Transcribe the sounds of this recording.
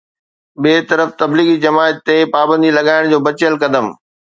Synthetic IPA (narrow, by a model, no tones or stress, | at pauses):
ɓeːt̪ɐɾəft̪ɐbliːɣid͡ʑɐmaːɪt̪ːepaːbə̃nd̪ilɐɠaːɪɽ̃d͡ʑoːbɐt͡ɕjəlkɐd̪əm